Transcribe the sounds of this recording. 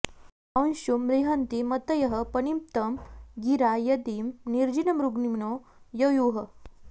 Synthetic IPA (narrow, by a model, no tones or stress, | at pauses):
ɐnɕumɾiɦant̪imɐt̪ɐjɐɦɐpɐɳimpt̪ɐmɡiɾajɐd̪imniɾd͡ʑinɐmɾuɡnimnoː | jɐjuːɦɐ